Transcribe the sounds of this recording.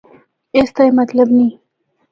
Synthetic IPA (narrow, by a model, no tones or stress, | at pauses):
est̪ajmat̪labni